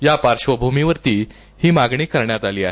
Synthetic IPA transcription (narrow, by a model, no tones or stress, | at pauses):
japaɾʂʋəbʱumiʋəɾt̪iː | hiːmaɡɳiːkəɾɳjat̪aliːaɦe